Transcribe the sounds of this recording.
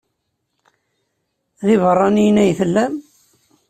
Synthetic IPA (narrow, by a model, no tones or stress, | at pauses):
ðɪvərˤːɑnijnæjθəlːæm